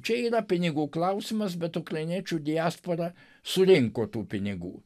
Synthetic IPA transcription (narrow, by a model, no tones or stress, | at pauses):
t͡ʃʲɛiːɾɐpʲɪnʲɪɡuːklˠɐʊsʲɪmɐsbʲɛt̪ʊkɾɐɪnʲiɛt͡ʃʲuːd̪ʲɪæːspoːɾɐ | sʊɾʲɪŋkoːt̪uːpʲɪnʲɪɡṵː